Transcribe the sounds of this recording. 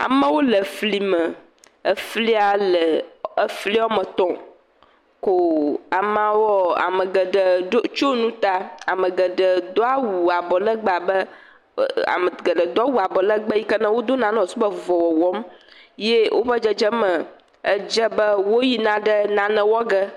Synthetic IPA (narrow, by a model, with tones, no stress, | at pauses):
a̰˨mə̃˦wo˦lə˨fli˨mə̃˨ | ə˦fli˦a˦lə˨ə˦fli˦ɔ˦mə̃˨t̪ɔ̃˨ | ko˨a˨m˦ã˨wɔ˦a̰˨mə̃˨ɡə˨ɖə˨o˦t͡ʃo˦nũ˦t̪a˦a˨mə̃˨ɡə˨ɖə˨d̪o˦a˦wu˨a˨bɔ˨lə˦ɡ͡ba˨bə˦ | a̰˨mə˨ɡə˨ɖə˨d̪a˦wu˨a˨bɔ˨lə˦ɡ͡bə˦ji˦kə˦nã˦wo˦d̪o˦nã˨nə̃˦ɔ˨su˦bə˦vɔ˨wɔ˨wɔ˦mjɛ˦wʔo̰˦ɸə˦d͡ʒə˦d͡ʒə˦mə̃˨ | ə˦d͡ʒə˦bə˦wo˦ji˦nã˦ɖə˦nã˨nɛ̃˨wɔ˦ɡə˦